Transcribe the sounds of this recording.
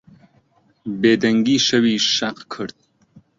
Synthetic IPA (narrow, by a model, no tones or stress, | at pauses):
beːd̪ɐŋɡiʃɐwiːʃaqkʰəɾt̪̚